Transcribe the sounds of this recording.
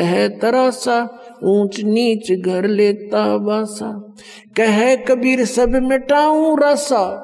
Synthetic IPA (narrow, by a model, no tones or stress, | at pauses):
ɐɦet̪ɐɾaːsaː | ũːt͡ʃniːt͡ʃɡʱɐɾleːt̪aːbaːsaː | kɐɦekɐbiːɾsɐbʱmẽʈaːũɾaːsaː